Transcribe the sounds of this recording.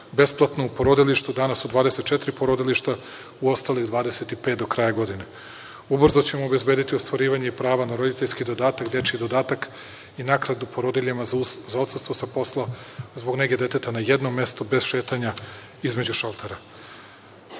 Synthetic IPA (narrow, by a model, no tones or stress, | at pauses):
be̞splˠat̪noupoɾod̪iliʃt̪ud̪anasud̪ʋaːd̪ese̞t̪̚t͡ʃet̪ɾipoɾod̪iliʃt̪a | uo̞st̪alˠixd̪ʋaːd̪ese̞t̪ipet̪d̪o̞kɾajaɡo̞d̪ine | ubr̩zot͡ɕe̞moːbe̞zbe̞ːd̪it̪iost̪voɾiːʋaɲe̞ipɾaːʋanaɾod̪it̪eʎʲskid̪o̞d̪aːt̪akd̪et͡ʃid̪o̞d̪aːt̪ak | inakɾad̪upo̞ɾod̪iʎimazao̞t̪sɨst̪ʋosapo̞slˠazbo̞ɡneɡe̞d̪e̞t̪e̞t̪anajed̪no̞mje̞st̪o̞be̞zʃeːt̪aɲa | izme̞d͡ʑuʃalˠt̪ʰeɾa